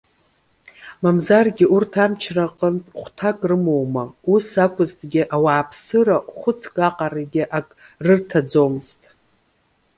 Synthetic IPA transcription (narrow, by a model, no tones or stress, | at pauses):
mamzarɡʲɪʔurtʰamt͡ʃʰraqʼəntʼχʷtʰakʼrɨmo̞wmausakʷʰʼʊztʼɡʲɪʔawaːpʰsɨɾaχʷʊt͡sʰkʼaqʼaraɡʲɪʔakʼ | rɨrtʰad͡zomztʼ